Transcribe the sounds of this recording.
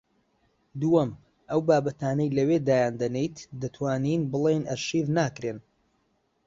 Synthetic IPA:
d̪uɐm | ʔɐwbaːbɐt̪aːnɐjlɐwed̪aːjaːnd̪ɐnejt̪d̪ɐt̪ʰwaːninbɨlˠejnɐɾʃivnaːkɾen

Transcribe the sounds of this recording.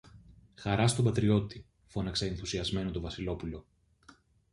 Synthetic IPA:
xɐɾɐst̪o̞bɐt̪ɾio̞t̪i | fo̞nɐkseenθusiɐzme̞no̞t̪o̞vɐsilo̞pulo̞

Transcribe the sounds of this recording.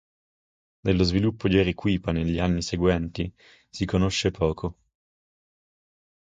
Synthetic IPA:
d̪elːozvilupːod͡ʒ̪ɛɾikwiːpaneʎːianːiseɡwɛnt̪i | sikonoʃːepʰɔːkʰo

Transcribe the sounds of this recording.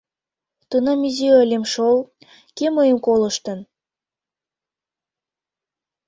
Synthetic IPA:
t̪ənɑmiziəlʲemʃol | keməjəmkoləʃt̪ə̆n

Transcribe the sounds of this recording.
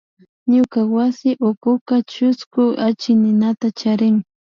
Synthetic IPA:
ɲʊkawasɪʔʊkʊkat͡ʃʊskʊat͡ʃɪnɪnat̪at͡ʃaɾɪŋ

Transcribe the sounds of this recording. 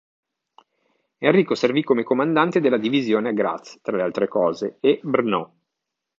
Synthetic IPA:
enriːkoservikːomekomand̪ant̪ed̪elːad̪ivizjoːneaɡɾa̰t̪st̪ɾalealt̪ɾekɔːzeebrnɔ

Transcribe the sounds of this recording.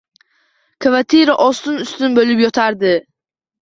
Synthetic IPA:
kʰvat̪ʰiɾaʔɒst̪ʊnʊst̪ʊnbolɪpjɒt̪ʰaɾd̪ɪ

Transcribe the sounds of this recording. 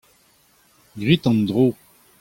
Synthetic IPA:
ɡʁit̪ɑ̃nd̪ʁo

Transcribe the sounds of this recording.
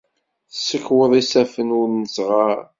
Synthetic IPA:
θsːəkːwəðˤisæfənʊɾnəzʁaɾ

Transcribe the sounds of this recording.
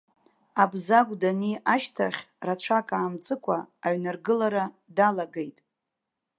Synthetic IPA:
abzaɡʷʼdaniʔaʃtʰaχʲ | rat͡ʃʷʰakʼaːmt͡sʼɨkʷʰʼaːɥnarɡɨlaɾa | dalaɡejtʼ

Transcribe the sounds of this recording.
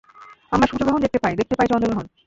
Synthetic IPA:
amɾaʃud͡ʑoɡɾɔɦond̪ek̚t̪epajd̪ek̚t̪epajd͡ʑɔnd̪oɡɾɔɦon

